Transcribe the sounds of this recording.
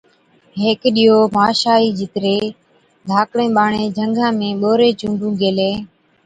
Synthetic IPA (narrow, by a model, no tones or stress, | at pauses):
ɦeːkɗiːɦoːmaːʃaːiːd͡ʒʱɪt̪ɾeː | d̪ʱaːkɽẽːɓaːɳeːd͡ʒʱəŋɡʱãːmẽːɓoːɾeːt͡ʃũːɳɖũːɡeːleː